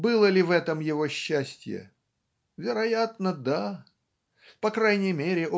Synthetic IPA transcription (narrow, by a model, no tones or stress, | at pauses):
bɨlˠəlʲɪvɛt̪əmjɪvo̞ɕːæsʲtʲjɪ̰ | vʲɪɾɐjat̪nəd̪a | pɐkɾajnʲɪjmʲeɾʲɪʔo